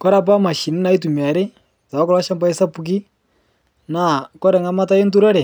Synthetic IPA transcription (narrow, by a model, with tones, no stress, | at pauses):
kɔ˦ɾa˨p̬a˦ma˨ʃi˨nɪ˦na˨˦ɪ˦tu˨mi˨a˨ɾɪ˦ | ta˨a˦kɔ˦lɔ˦ʃa˦mba˦ɪ˦sa˦pu˨k̬i˦ | na˦˨kɔ˦ɾɛ˨ŋa˦ma˦ta˦jɪ˦ntu˦ɾɔ˦ɾɛ˨